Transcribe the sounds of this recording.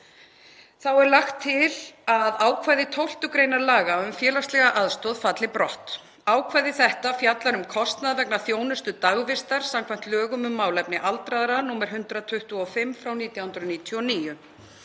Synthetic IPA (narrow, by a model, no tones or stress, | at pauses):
θawɛɾlaxt̪ʰːɪlaðaːwkʰvajðɪt̪ʰowl̥t̪ʏkɾejnaɾlaːɣaʏmfjɛːlast̪lɛɣaʔaðst̪ɔðfat̪lɪpɾɔht̪ | aːwkʰvajðɪθɛht̪afjat̪laɾʏmkʰɔst̪naðvɛknaθjoːwnʏst̪ʏt̪aɣvɪst̪aɾ̥samkʰvajm̥t̪lœːɣʏmʏmːaːwlɛpnɪʔalt̪ɾaðɾanuːmɛɾ̥ɦʏnt̪ɾat̪ʰʏht̪uɔfɪmfɾawniːt̪jawhʏnɾʏðniːt̪ʰjɔniːjʏ